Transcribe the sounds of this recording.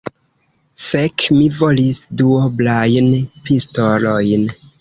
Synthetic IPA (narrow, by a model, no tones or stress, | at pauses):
fekmivolisduoblajnpistolojn